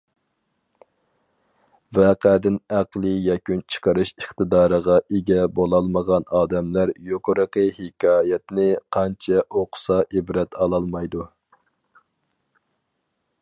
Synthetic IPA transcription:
vɛqæd̪ɪnæqlˠɨjɛkʲynt͡ʃʰə̥qəɾɨʃəχt̪ɨd̪ɑːɾəʁɑʔeɡʲɛbolˠɑlˠməʁɑnɑːd̪ɛmlæɾjoqʰʊɾəqəhekʲʰɑːjɛt̪nɪqʰɑnt͡ʃʰɛʔoqʰʊ̥sɑʔebɾɛt̪ʰɑlˠɑlˠmɑjd̪u

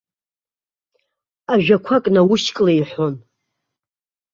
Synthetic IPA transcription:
aʒᶣakʷʰakʼnawuʃkʼlejħʷon

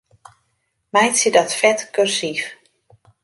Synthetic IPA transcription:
mɛjsidɔtfɛtkørsif

